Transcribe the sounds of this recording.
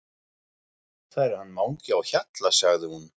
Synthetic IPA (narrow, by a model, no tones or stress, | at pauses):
θaɛɾɪɾ̥hanːmaːwɲcɪawçat̪lasaɣðɪhun